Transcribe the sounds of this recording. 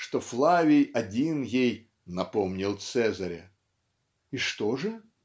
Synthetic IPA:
ʂt̪oflˠavʲɪjɐdʲinjej | nɐpomnʲɪlˠt̪sɛzɐɾʲɪ̰ | iʂt̪oʐɨ

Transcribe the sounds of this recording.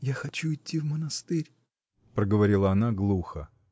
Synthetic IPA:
jaxɐt͡ɕuɪtʲːivmənɐst̪ɪɾʲ | pɾəɡəvɐɾʲilˠəɐnaɡlˠuxə̰

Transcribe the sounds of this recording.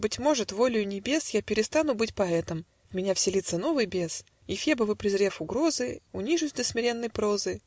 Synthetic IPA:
bɨtʲmo̞ʐɨt̪vo̞lʲɪjʊnʲɪbʲe̞sjapʲɪɾʲɪst̪anʊbɨtʲpɐɛt̪əm | mʲɪnʲafsʲɪlʲit̪səno̞vɨjbʲe̞s | ifʲebəvɨpɾʲɪzɾʲe̞fʊɡɾo̞zɨʊnʲiʐʊsʲd̪əsʲmʲɪɾʲenːəjpɾo̞zɨ

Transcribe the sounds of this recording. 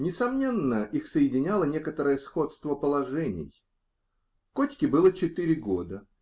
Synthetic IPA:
nʲɪsɐmnʲe̞nːəʔixsəjɪdʲɪnʲalˠənʲe̞kət̪əɾəjəsxo̞t̪st̪vəpəlˠɐʐɛnʲɪ̰j | kotʲkʲɪbɨlˠət͡ɕɪt̪ɨɾʲɪɡo̞d̪ə

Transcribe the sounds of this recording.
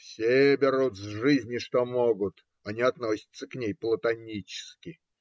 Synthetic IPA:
fsʲebʲɪɾut̪zʐɨzʲnʲɪʂt̪omoɡʊt̪ | ɐnʲiɐt̪no̞sʲɪ̥t̪sːəknʲejplˠət̪ɐnʲit͡ɕɪ̥skʲɪ

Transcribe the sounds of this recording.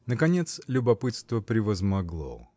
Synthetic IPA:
nəkɐnʲet̪slʲʊbɐpɨt̪st̪vəpɾʲɪvəzmɐɡlˠo̰

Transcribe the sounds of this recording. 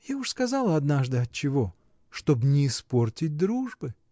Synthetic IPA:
jaʊʂskɐzɑlˠəɐd̪naʐd̪ɨɐt̪̚t͡ɕɪvo̞ | ʂt̪obnʲɪːsportʲɪt̚ʲd̪ɾuʐbɨ

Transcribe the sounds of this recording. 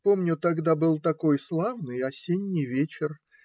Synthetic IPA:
po̞mnʲʊt̪ɐɡd̪abɨlˠt̪ɐko̞jslˠavnɨjɐsʲenʲːɪjvʲet͡ɕɪr

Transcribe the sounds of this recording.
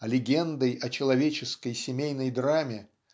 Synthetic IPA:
ɐlʲɪɡʲend̪əjɐt͡ɕɪlˠɐvʲet͡ɕɪskəjsʲɪmʲejnəjd̪ɾamʲɪ

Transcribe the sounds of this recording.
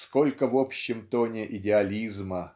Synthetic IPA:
sko̞lʲkəvopɕːɪmt̪o̞nʲɪʔɪdʲɪɐlʲizmə

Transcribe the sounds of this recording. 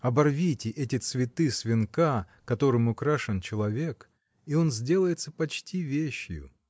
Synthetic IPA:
ɐbɐrvʲitʲɪʔɛtʲɪt̪svʲɪt̪ɨsvʲɪnka | kɐt̪o̞ɾɨmʊkɾaʂɨnt͡ɕɪlˠɐvʲe̞k | io̞nzʲdʲe̞lˠəjɪt̪səpɐt͡ɕtʲivʲeɕːjʊ̰

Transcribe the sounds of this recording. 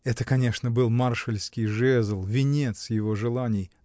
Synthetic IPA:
ɛt̪əkɐnʲe̞ʂnəbɨlˠmarʂəlʲskʲɪjʐɛzəlˠvʲɪnʲet̪sjɪvo̞ʐɨlˠanʲɪj

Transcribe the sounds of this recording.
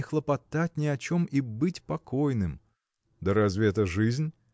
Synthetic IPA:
ɪxlˠəpɐt̪at̚ʲnʲɪɐt͡ɕo̞mibɨtʲpɐkojnɨm | d̪əɾɐzvʲeɛt̪əʐɨzʲnʲ

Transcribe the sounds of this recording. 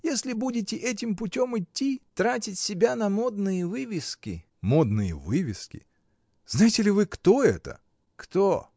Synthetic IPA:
jesʲlʲɪbudʲɪtʲɪʔɛtʲɪmpʊtʲomɪtʲːit̪ɾatʲɪtʲsʲɪbʲanɐmo̞d̪nɨjəvɨvʲɪskʲɪ̰ | mod̪nɨjə̰vɨvʲɪskʲɪ̰ | znajɪtʲɪlʲɪvɨkt̪o̞ɛ̰t̪ə̰ | kt̪o

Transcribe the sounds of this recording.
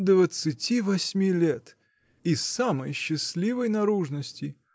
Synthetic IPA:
d̪vət̪sɨtʲivɐsʲmʲilʲet̪ | ɪsːamə̰jɕːɪsʲlʲivəjnɐɾuʐnəsʲtʲɪ

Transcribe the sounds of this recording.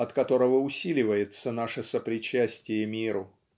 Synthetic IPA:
ɐt̪kɐt̪o̞ɾəvəʊsʲilʲɪvəjɪt̪sənaʂəsəpɾʲɪt͡ɕæsʲtʲɪjəmʲiɾʊ

